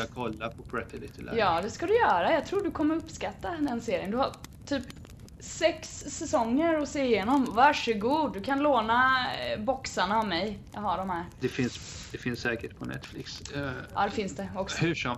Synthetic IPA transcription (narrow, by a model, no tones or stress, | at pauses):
akʰɔlːapʰɔbʰɾɛt̪ʰɪlɪt̪ʰɪljɑːd̪ɛskad̪ɵjœːɾajɑːɡ̚t̪ʰɾuːɖɵkʰɔmːəɾɵpːskat̪ːand̪ɛnseːɾɪənd̪ɵhaɾt̪ʰyːp | sɛksːɛsɔŋːəɾɔseːɪjeːnɔmvaʂəɡuːd̪ːɵkʰanloːnabɔksaɳaɔvmɛjjɑ̰ɡɦaɖɔmhæɾd̪̥ɛfɪnsd̪ɛfɪnsːɛːkəʈ̚pʰɔnɛ̰t̪flɪksʔɑ̰d̪ɛfɪnsd̪ɛɔksɔhʉʂɔ